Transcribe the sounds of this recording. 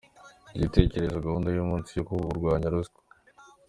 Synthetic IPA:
ɟite̞ːce̞ɾe̞zoɡahuːndajumuːnsijokuuɾɡwaːɲaɾusko̥

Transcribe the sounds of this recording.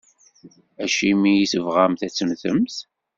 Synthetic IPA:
æʃimijiθəvʁæmθæt͡sːənθəmθ

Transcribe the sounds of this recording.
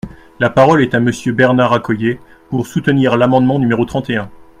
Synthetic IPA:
lapaʁɔlɛt̪aməsjøbɛʁnaʁakɔje | puʁsut̪əniʁlamɑ̃d̪mɑ̃nymeʁot̪χɑ̃t̪eɛ̃

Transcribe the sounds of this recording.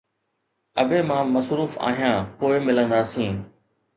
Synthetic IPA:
əbʱeːmãːməsɾuːfa̰ːɦijãːpoːɪmɪlə̃nd̪aːsĩː

